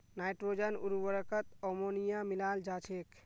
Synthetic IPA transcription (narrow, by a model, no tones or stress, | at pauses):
najʈɾod͡ʒənuɾwəɾəkət̪ɔmonijamilald͡ʒat͡ʃʰek